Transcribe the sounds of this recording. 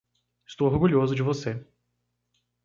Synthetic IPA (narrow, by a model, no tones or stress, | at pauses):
ɪst̪owoɾɡuʎozʊd͡ʒɪvose